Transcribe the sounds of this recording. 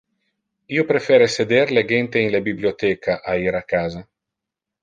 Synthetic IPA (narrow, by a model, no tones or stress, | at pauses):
iopɾefɛːɾesed̪eɾleɡent̪eiŋlebibliot̪ɛkaʔaiɾakaːza